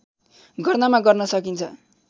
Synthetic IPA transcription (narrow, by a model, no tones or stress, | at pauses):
ɡʌrnʌmaɡʌrnʌsʌkint͡sʰʌ̰